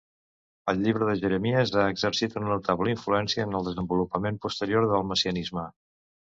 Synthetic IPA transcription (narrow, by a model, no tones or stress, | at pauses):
əlˠʎiβɾəðəʒəɾəmiəzaːɡzəɾsit̪ənənut̪aβləiɱfluɛnsiəːnəlˠd̪əzəmbulupəmempust̪əɾioɾðəlˠməsiənizmə